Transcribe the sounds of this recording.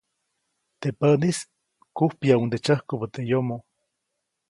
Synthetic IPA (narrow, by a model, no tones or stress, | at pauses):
t̪epənis | kuhpjaund̪et͡ʃəhkobət̪ejomo